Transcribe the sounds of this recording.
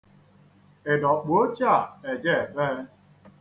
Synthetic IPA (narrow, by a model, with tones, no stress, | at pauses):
e˨dɔ˨k͡pu˨o˦t͡ʃi˦a˦˨e˨d͡ʒe˦˨be˦